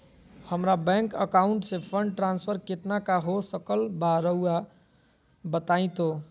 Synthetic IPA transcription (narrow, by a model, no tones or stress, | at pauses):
həmɾabɛ̃ŋkəkaʊɳʈsepʰəɳɖʈɾanspʰəɾket̪nakaɦosəkəlbaɾəua | bət̪aɪ̃t̪o